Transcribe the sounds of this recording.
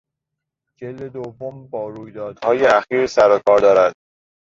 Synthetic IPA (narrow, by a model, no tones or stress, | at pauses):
d͡ʒeld̪ed̪ovːombɒːɾuːjd̪ɒːd̪̥hɒːjeæxiːɾsæɾokʰɒːɾd̪ɒːɾæd̪̥̚